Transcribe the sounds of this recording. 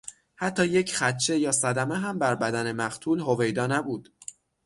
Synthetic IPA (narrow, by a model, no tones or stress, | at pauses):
hæt̪ʰːɒːjecʰχæt̪t͡ʃʰe̞jɒːsæd̪æmeɦæmbæɾbæd̪æne̞mæχt̪ʰuːlhove̞jd̪ɒːnæbuːd̪̥